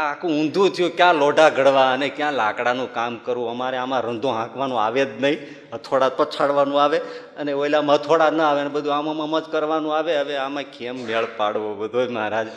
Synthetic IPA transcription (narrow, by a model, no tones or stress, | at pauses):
akʰũʊ̃nd̪ʱũt̪ʰəjũkjãlɔɖaɡʱəɽʋaənekjãlakɽanũkamkəɾʋũəmaɾeamãɾənd̪ʱõɦãkʋanũa̰ʋed̪nəɦĩ | ɦət̪ʰoɽad̪̚pət͡ʃʰaɽʋanũaʋe | əneojlamət̪ʰoɽad̪nəaʋeənebəd̪ʱuamaməməd͡ʒkəɾʋanũaʋeɦəʋeamãkemːeɭpaɽʋobəd̪ʱoməɦɾad͡ʒ